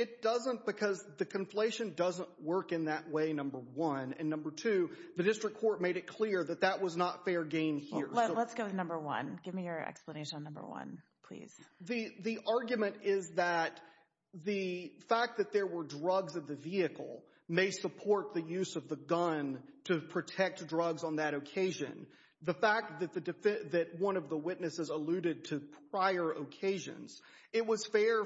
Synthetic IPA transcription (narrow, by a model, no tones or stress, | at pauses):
ɨt̚d̥ʌzə̃nb̥ɨkʰʌzðɨkʰɨ̃ɱfl̥eɪʃɨ̃ndʌzə̃nʔwɜ˞kɨ̃nðɨʔweɪnʌ̃mbə˞wʌ̃nɨ̰̃nːʌ̃mbə˞tʰʉðɨdɪstɹ̥ɨkʰːɔɹt̚meɪɾɨt̚kʰl̥ɪɹðɨt̪̚ðɨʔ̚wʌznətfɛɹɡẽɪ̃nhiɹolətsɡ̥oʊɾɨnʌ̃mbə˞wʌ̰̃nɡ̥ɪvmijə˞ɛ̰kspləneɪʃə̃nːʌ̃mbə̰˞wʌ̰̃n | pʰl̥ḭz̥ðɨðiʔɑɹɡjɨmɨ̃ntɪzðət̪̚ | ðɨfæk̚ðɨt̪̚ðə˞wə˞dɹʌɡzɨt̪̚ðɨviɨkl̩ˠ | meɪsəpʰɔɹt̪̚ðɨjʉzʌvðəɡʌ̃ntʰɨpʰɹ̥ɨtʰɛk̚t̚dɹʌɡzn̩ðɨɾɨkʰeɪʒɨ̰̃n | ðəfæk̪̚ðɨt̪̚ðɨdɨfɛðɨt̚wʌ̃nʌvðəwɪtⁿnɨsɨzəlʉɾɨd̚tʰɨpʰɹ̥aɪə˞ʔəkʰeɪʒɨ̰̃nz̥ | ɨt̚wʌz̥fɛ